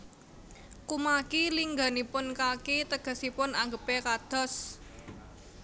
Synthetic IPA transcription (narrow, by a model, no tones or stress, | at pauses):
kumakiliŋɡa̤nipʊnkakit̪əɡ̥ə̤sipʊnaŋɡəpekad̪̥ɔ̤s